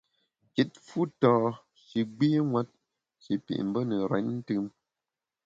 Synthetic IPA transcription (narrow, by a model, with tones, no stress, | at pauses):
ki˨t̚fu˦tɔː˨ | ʃi˨ɡ͡biː˦ŋwa˦t̚ | ʃi˨pḭ˨ʔm̩˨bə˦nə˨ɾɛ̰˨˦ɲn̩˦tɨ˦m